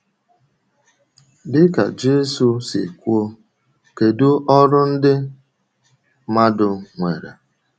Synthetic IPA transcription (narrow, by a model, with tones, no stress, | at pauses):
dɪ˦ka̰˨d͡ʒe˦su˨sɪ̰˨ku˦o˦ | ke˨du˦ʔɔ˦ɾʊ˦n̩˦dɪ˦ | ma˦dʊ˨ŋʷe˨ɾḛ˨